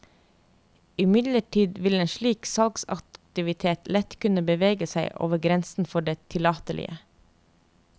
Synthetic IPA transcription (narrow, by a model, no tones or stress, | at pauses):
ɪmɪd̪ləʈʰiːd̪ʋɪleːnʃɭiːksɑlɡsɑ̰kt̪ɪʋɪt̪ʰeːt̪lɛt̪kʰʉnəbəʋeːɡəsæɪʔo̰ːʋəɡɾɛnsn̩fɔɖeːt̪ʰɪlɑːt̪əlʔɪ̰ə̰